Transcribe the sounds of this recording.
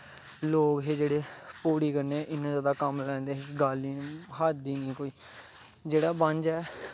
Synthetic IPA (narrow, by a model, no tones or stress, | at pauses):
loːkɦeːd͡ʒeːɽeːpuːɽiːkəɾneːɛ̃ːʔɪnãːzjaːd̪aːkəmlɛ̃ːnd̪eːɦeːkɡaːliːɦaːiːniːkoːiː | d͡ʒeːɽaːbə̃ɲd͡ʒɛː